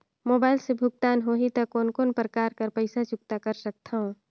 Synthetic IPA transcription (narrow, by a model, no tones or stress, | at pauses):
moːbaːɪlsebʱʊɡ̚t̪aːnɦoːɦit̪ɐkoːnkoːnpɾəkaːɾkəɾpəɪsat͡ʃʊk̚t̪akəɾsək̚t̪ʰaɦõ